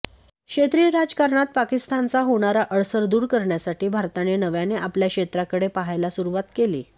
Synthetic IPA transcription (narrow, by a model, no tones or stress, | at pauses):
kɕet̪ɾiːɾad͡zkaɾɳat̪̚pakist̪ant͡saɦoɽ̃aɾaʔəɭsəɾd̪uːɾkəɾɳjasaʈiːbʱaɾt̪anenəʋjaneʔapljakʂet̪ɾakəɽepaɦajlasuɾuʋat̪kelḭː